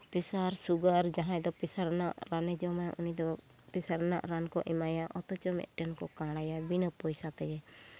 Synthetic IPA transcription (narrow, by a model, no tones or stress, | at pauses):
pisaɾsuɡaɾd͡ʒaɦãɛ̃d̪ɔpisaɾnaʔɾanɛd͡ʒɔmaja̰ʔunid̪ɔ | pisaɾna̰ʔɾankɔ̰ʔimajaʔɔt̪ɔt͡ʃɔmɛ̰t̪̚ʈɛnkɔkãɽajabinəpɔjsat̪ɛjɛ